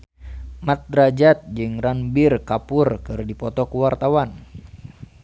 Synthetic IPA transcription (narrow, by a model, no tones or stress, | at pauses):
mat̪̚ɾad͡ʒat̪̚d͡ʒɨŋranbirkapʊrkɨrdipɔt̪ɔkuwart̪awan